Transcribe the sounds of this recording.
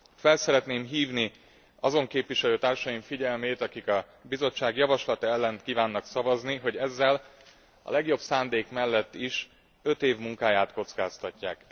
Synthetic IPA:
fɛlsɛɾɛt̪neːmɦiːvni | ɒzo̞ŋkeːpʋiʃɛløːt̪aːrʃɒjiɱfiɟɛlmeːt̪ɒkikɒ | bizo̞t͡ʃːaːɡjɒvɒʃlɒt̪ɒɛlːɛnt̪kiːvaːnːɒksɒvɒzniɦo̞ɟɛzːɛl | ɒ̰lɛɡjo̞bsaːnd̪eːkmɛlːɛt̪ːiʃ | ø̞t̪eːvmuŋkaːjaːt̪ko̞t̪skaːst̪ɒcːa̰ːk

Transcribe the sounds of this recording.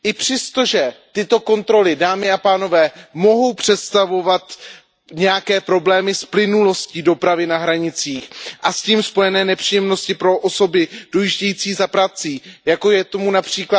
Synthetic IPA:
ʔɪpr̥ɛst̪o̞ʒɛt̪ɪt̪o̞ko̞nt̪ɾo̞lɪdaːmɪapaːno̞vɛːmo̞ɦo̞wpr̝̥ɛt̪st̪avo̞vat̪ | ɲɛjakɛːpɾo̞blɛːmɪsplɪnulo̞sciːdo̞pɾavɪnaɦɾaɲɪt͡siːxʔasciːmspo̞jɛnɛːnɛpr̥iːjɛmno̞scɪpɾo̞ʔoso̞bɪd̥ojiʒɟɛjiːt͡siːzapɾat͡siːjako̞jɛt̪o̞munapr̝̥iːkla

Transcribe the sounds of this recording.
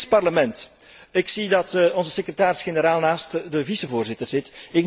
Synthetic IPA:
spɑrləmɛnt | ɪksidɑtɔnzəsekrətaːɾɪsxenəɾaːlˠnaːstdəvisəvoːrzɪtərz̥ɪtɪk

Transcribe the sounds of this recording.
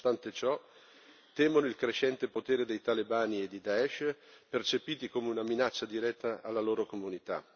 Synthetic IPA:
st̪ant̪et͡ʃɔ | t̪ɛːmonoilkɾeʃɛnt̪epot̪eːɾed̪ejt̪alebaːnied̪ːid̪aɛʃpert͡ʃepiːt̪ikoːmeunaminat͡ʃːad̪iɾɛt̪ːaːlːaloːɾokomunit̪a̰

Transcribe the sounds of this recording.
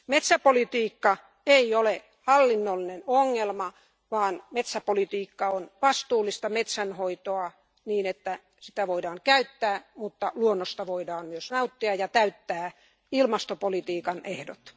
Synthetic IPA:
met̪sæpolit̪iːkːɑ | eiole | hɑlːinːolːinenoŋːelmɑ | ʋɑːnmet̪sæpolit̪iːkːɑonʋɑst̪uːlːˑist̪ɑmet̪sænhoit̪oɑ | niːnet̪ːæ | si̥t̪æʋoidɑːŋkæyt̪ːæːmut̪ːɑluonːost̪ɑʋoidɑːnmyøsnɑut̪ːiɑjɑt̪æyt̪ːæː | ilmɑst̪opolit̪iːkɑnehdo̰t̪

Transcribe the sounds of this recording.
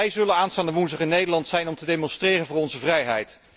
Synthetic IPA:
ɛjzɵlənaːnstaːndəʋunzəχənːejdəɹlɑntsɛjnɔmtədejmɔnstrɪːrənvʊːɹɔnzəvrɛjɦɛjt

